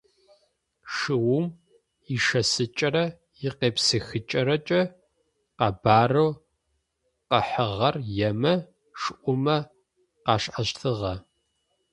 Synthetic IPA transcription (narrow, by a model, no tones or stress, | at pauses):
ʂɨwʊm | iʃɐsɨt͡ʃʼɐɾɐ | jɪqeːpsɨxɨt͡ʃʼɐɾɐt͡ʃʼɐ | qɑbaːrɐw | qɐħəʁɐrjɛmɐ | ʂʔʷʊmɐ | qɑːɕʔɐɕtʰɨʁɐ